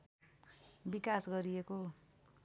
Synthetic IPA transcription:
bikasɡʌɾieko

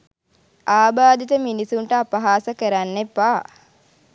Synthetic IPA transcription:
aːbaːd̪it̪əminisuɳʈəapɐɦaːsəkəɾanːepːaː

